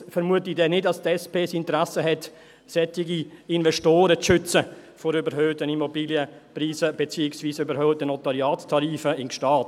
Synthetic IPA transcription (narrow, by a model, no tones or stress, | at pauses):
fɛɾmuətɪdɛnɪtɑstɛspʰeːsɪntəɾasəɦɛt | sɛtɪɡiɪnvɛʃtoːɾət͡sʃʏt͡səfɔɾybəɾɦøːtənimobiːljəpriːsəb̥ɛt͡siːɪksviːsybəɾhœːtənotɑɾjɑːttʰɑɾiːfəɪnʃtɑːt